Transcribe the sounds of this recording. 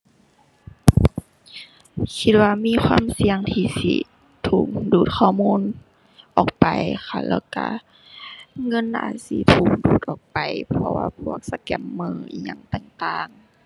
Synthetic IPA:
kʰi˧t̪̚waː˧miː˧˥˨xʰwaː˧˥˨msi˧əŋt̪ʰiː˧sḭ˧ | t̪ʰuː˨˩k̚duː˨˩t̪̚kʰɔː˧˩muː˧˥˨n | ʔɔː˨˩k̚pa˨jxʰa˧˩lɛ̰ː˧˩wka˧˩ | ŋɤ˧˥˨nʔa̰ː˧˩si˧˦t̪ʰuː˧˩k̚duː˨˩t̪̚ʔɔː˨˩k̚pa˨˩jpʰɔ˧wa̰ː˧pʰu˧˩ək̚sa˧kɛ˧˩mːɯː˧˩ḭː˧˨˩ɲa˧˩˨ŋt̪ɛː˧˩ŋt̪aː˧˩ŋ

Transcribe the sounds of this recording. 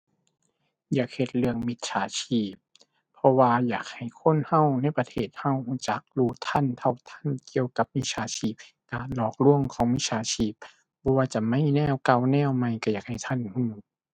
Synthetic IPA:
jaː˨˩k̚he˧˩t̪̚lɯ˧əŋmi˧t̪̚sʰaː˨˦t͡ɕʰiː˧˩p̚ʰː | ɔ˧waː˧jaː˨˩k̚ha˨˩jkʰo˧˥˨nha˧˥˨wna˧˥˨jpa˧t̪ʰeː˧˩t̪̚ha˧˩˨whuː˧˩t͡ɕa˨˦k̚luː˧˩t̪ʰa˧˥˨nt̪ʰa˧˩wt̪ʰa˧˥˨nki˧əwka˧˦p̚mi˧˥sʰaː˨˧˦t͡ɕʰiː˧˩p̚ | kaː˨nlɔː˧˩k̚lu˧˥˨əŋkʰɔː˨˦ŋmi˧˥sʰaː˨˧˦t͡ɕʰiː˧˩p̚ | bɔː˧˦waː˧t͡ɕa˧˩ma˧˥˨jnɛː˧˩˨wka˧˩wnɛː˧˥˨wma˧˩jka˧˩˨jaː˨˩k̚ha˨˩jt̪ʰa˧˥˨nhuː˧˩

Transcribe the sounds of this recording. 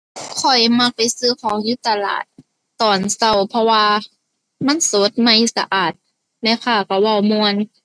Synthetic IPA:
kʰɔ˨˩jma˧˥k̚pa˨jsɯː˧˩kʰɔː˨˦ŋju˧˦t̪a˧la̰ː˨˩t̪̚ː | ɔː˨˩nsa˧˩wpʰɔ˧waː˧ | ma˧˥˨nsoː˨˦t̪̚ma˧˥˩jsa˧ʔaː˨˩t̪̚ | na˧˥˨pʰaː˧˩ka˧˩wa˧˩wmu˧ən

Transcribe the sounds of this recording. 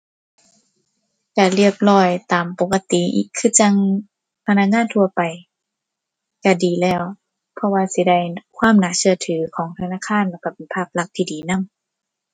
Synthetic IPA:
ka˧˩lɯ˧˩əp̚lɔː˧˩jt̪aː˨˩mpo˨˧˦ka˧t̪i˨˦ʔḭː˧˩kʰːɯ˧˨t͡ɕa˧ŋ | pʰa˧naː˧˨ŋaː˧˥˨nt̪ʰu˧ɐpa˨j | ka˧˩diː˨˩lɛː˧˩w | pʰɔ˧waː˧si˧˦da˧˩jkʰwaː˧˥˨mnaː˨˧˦sɯ˧˩ɐt̪ʰɯː˨˩˦kʰɔː˨˦ŋt̪ʰa˧naː˧˥˨kʰaː˧˥˨nlaː˧˩ka˧˩pe˨˩npʰaː˧˩p̚la˧˩k̚t̪ʰiː˧diː˨˦na˧˥˨m

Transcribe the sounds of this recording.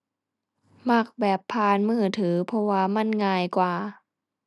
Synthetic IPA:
ma˧˥˩k̚bɛː˨˩pʰːaː˧nmɯː˧˥˩t̪ʰɯː˩˦pʰɔ˧waː˧˨ma˧˥˨nŋaː˧˩jkwaː˨˩

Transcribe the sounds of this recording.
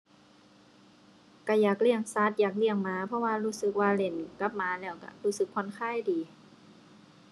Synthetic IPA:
ka˧˩jaː˨˩k̚li˧˩əŋsa˧˥˩t̪̚jaː˨˩k̬̚li˧˩əŋmaː˧˦pʰɔ˧˨waː˧luː˧˥˨sɯ˧˦k̚waː˧le˧˩nka˧˥p̚maː˧˦lɛː˧˩wka̰˧˩huː˧˩sɯ˧˦kʰːo˧˨nkʰaː˧˥˨jdiː˨˦

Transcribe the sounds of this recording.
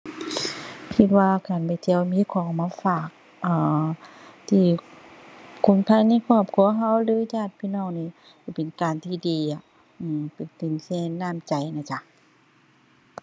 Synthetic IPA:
kʰi˧t̪̚waː˧kaː˨˩npa˨˩jt͡ɕɛː˧˩wmiː˧˥˨kʰɔː˧˦ŋ˨maː˧˥faː˧˩k̚ | ʔaː˨˩ | t̪ʰiː˧˩ | kʰo˧˩˦nt̪ʰa˧˥˨jna˧˥˨jkʰɔː˧˩p̚kʰu˧˨ɐɦa˧˥˨wlɯː˨˦t͡ɕaː˧˩t̪̚pʰiː˧˨nɔː˧˩˨ŋniː˧˩˨ | ka˧˩pe˨nkaː˨nt̪ʰiː˧˩diː˨˩a˧˩ | ʔɯː˧˩pe˨˩nt̪e˨nsɛː˧˩nːaː˧˩˨mt͡ɕa˨˩jnaː˧˩t͡ɕa˧

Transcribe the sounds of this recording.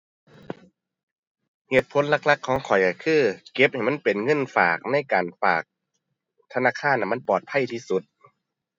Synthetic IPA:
heː˨˩t̪̚pʰo˨˦nla˧˥k̚la˧˥kʰːɔː˨˦ŋkʰɔ˨˩jka˧˩kʰɯː˧˥˩ke˧˦p̚ha˨˩jma˧˥˨pe˨nŋɤ˧˥˨nfa̰ː˨˩k̚na˧˥˩jkaː˨˩nfa̰ː˨˩k̚ | t̪ʰa˧naː˧˥˨kʰaː˧˥˩nʔa˧˨ma˧˥˨npɔː˨˩t̪̚pʰa˧˥˨jt̪ʰiː˧˥˨su˧˦t̪̚

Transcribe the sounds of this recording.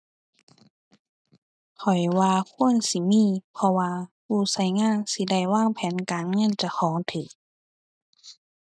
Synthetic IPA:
kʰɔ˨˩jwaː˧kʰu˧˥˨ənsi˧˦miː˧˥˨pʰɔ˧waː˧pʰuː˧˩sa˧˥˩jŋaː˧˥˨nsi˧˦da˧˥˩jwaː˧˥˨ŋpʰɛː˨˦nkaː˨nŋɤ˧˥˨nt͡ɕa˧˦xʰɔː˨˦ŋt̪ʰɯː˨˩˦k̚

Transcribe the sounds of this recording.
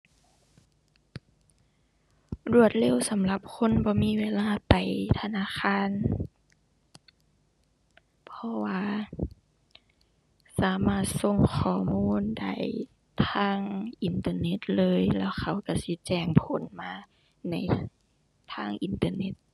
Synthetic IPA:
ɾu˧˩ət̪̚le˧˥˨wsa˨˦mla˧˦p̚kʰo˧˥˨nbɔː˧˦miː˧˥˨weː˧laː˧˨pa˨˩jt̪ʰa˧naː˧˥˨xʰaː˧˥˨n | pʰɔ˧waː˧˨ | saː˨˦maː˧˩t̪̚so˧˥˨ŋxʰɔː˧˩muː˧˥˨nda̰˧˩j | t̪ʰaː˧˥˩ŋʔi˨nt̪ɤː˧ne˧˥˦t̪̚lɤː˧˨jlɛː˧˩wxʰa˧˩wka˧˩si˧˦t͡ɕɛː˧˩ŋpʰo˨˦nmaː˧˨ | na˧˩j | t̪ʰaː˧˥˩ŋʔi˨nt̪ɤː˧ne˧˥t̪̚

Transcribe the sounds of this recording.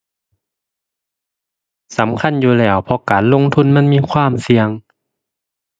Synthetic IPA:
sa˩˦mkʰa˧˥˨njuː˧lɛː˧˩wpʰɔ˧kaː˨˦nlo˧˨ŋt̪ʰu˧˥˨nma˧˥˨nmiː˧˥˨kʰwaː˧˥˨msi˧əŋ

